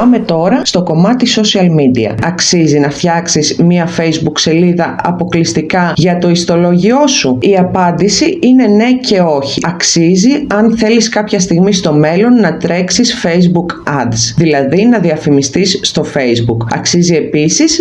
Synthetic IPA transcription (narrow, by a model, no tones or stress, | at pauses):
ɐme̞t̪o̞ɾɐst̪o̞ko̞mɐt̪iso̞siɐlmid̪iɐ̰ɐksizinɐft̪çɐksizmiɐfe̞jzbukse̞liðɐɐ̰po̞klist̪ikɐʝɐt̪o̞ist̪o̞lo̞ʝio̞suiɐpɐnd̪isiine̞ne̞ce̞o̞çiɐksiziɐnθe̞liskɐpçɐst̪iɣmist̪o̞me̞lo̞nːɐt̪ɾe̞ksisfe̞jzbukɐd̪sðilɐðinɐðiɐfimist̪isːt̪o̞fe̞jzbukɐ̰ksizie̞pisis